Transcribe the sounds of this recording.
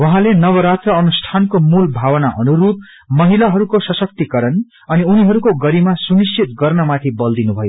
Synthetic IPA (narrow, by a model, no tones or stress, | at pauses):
wʌɦãlenʌβʌɾad͡zʌːnusʈʰankomulbʱawʌnaʔʌnuɾup̚ | mʌɦilaɦʌɾukosʌsʌk̚t̪ikʌɾʌn | ʌniuniɦʌɾukoɡʌɾimasunist͡ʃit̪ɡʌrnʌmat̪ʰibʌld̪inubʱʌjo